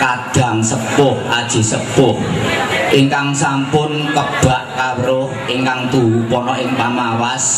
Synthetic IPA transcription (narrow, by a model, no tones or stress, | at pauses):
kaɖ̥a̤ŋsəpʊhʔad̥ʒ̥i̤səpʊhʔiŋkaŋsampʊnkəb̥a̤ʔkawɾʊhʔiŋkaŋt̪uwupɔnɔʔɪŋpamawas